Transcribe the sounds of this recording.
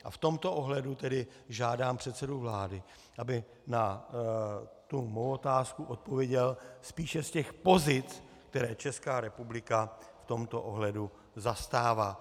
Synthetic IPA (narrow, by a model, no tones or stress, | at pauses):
ʔaft̪o̞mt̪o̞ʔoɦlɛdut̪ɛdɪʒaːdaːmpr̝̥ɛt̪sɛduvlaːdɪ | ʔabɪ | na | t̪umowot̪aːskuʔot̪̚po̞vjɛɟɛlspiːʃɛscɛxpo̞zɪt͡s | k̚t̪ɛɾɛːt͡ʃɛskaːɾɛpublɪkaft̪o̞mt̪o̞ʔo̞ɦlɛdu | zast̪aːvaː